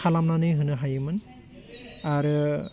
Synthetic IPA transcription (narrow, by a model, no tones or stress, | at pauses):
alamnanɯjɦɯnɯɦajɯmɯn | aɾ